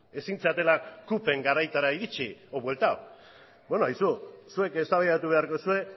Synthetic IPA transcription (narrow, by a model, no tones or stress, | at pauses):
e̞sint͡seat̪e̞lakupe̞ŋɡaɾajt̪aɾaiðit͡ʃioβwe̞lt̪ao | bwenoajsusue̞ke̞st̪aβajat̪uβ̞e̞aɾko̞sue̞